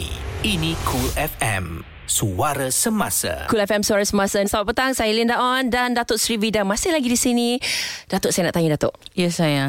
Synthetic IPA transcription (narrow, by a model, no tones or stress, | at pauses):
inĩkʰulɛfɛ̰m | suaɾasəmasa̰kulɛfɛmsuaɾasəmasasabapːət̪aŋsajalindaʔɔndandat̪oʔsɾibidamasɪhlaɡidisinid̥at̪ʊʔsajanaʔt̪aɲadat̪o̰ʔjəsaja